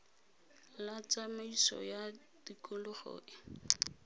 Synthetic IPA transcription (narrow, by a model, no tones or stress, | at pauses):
lat͡samaisɔ̰ja | d̥ikʊlʊχɔ̰ːʔɪ